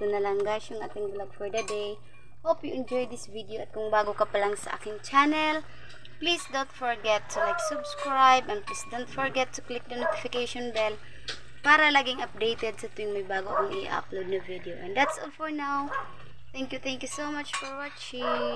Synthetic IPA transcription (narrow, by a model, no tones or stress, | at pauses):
t̪ʊnɐlɐŋɡaʃʊŋʔa̰ːt̪ɪŋblaɡfɔɹd̪ɐd̪ɛj | howpjʊʔɪnd͡ʒɔjd̪ɪsvid̪eoʔɐt̪̚kʊŋbaːɡokɐpɐlaŋsɐʔa̰ːkɪŋt͡ʃanɛl | plisd̪ont̪fɔɹɡɛt̪ːʊlajksʊbskɹajbɛ̃nplisd̪ownt̪fɔɹɡɛt̪ːʊklɪk̚d̪ɐnot̪ɪfɪkejʃɔnbɛl | paːɾɐlaːɡɪŋʔɐp̚d̪ejt̪ɛd̪̚sɐt̪ujʊŋmɐjbaːɡokɐŋʔɪ̰ʔa̰plowd̪̚nɐvid̪ɛoʔɛ̃nd̪at̪solfɔɹnaw | θɛŋkjʊθɛŋkjusowmat͡ʃfɔɹwɔtt͡ʃi